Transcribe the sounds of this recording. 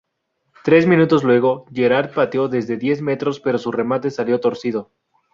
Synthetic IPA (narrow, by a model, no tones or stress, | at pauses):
t̪ɾe̞zmĩnut̪o̞zlwe̞ɣ̞o̞ʝe̞ɾaɾd̪̚pat̪jo̞ðe̞zðe̞ðje̞zme̞t̪ɾo̞spe̞ɾo̞sure̞mat̪e̞saljo̞t̪o̞ɾsið̞o̞